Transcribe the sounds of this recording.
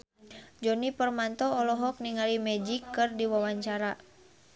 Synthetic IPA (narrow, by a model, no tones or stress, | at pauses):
d͡ʒɔnipərmant̪ɔːlɔɦɔk̚niŋalimɛd͡ʒikːɨrdiwawaɲt͡ʃaɾa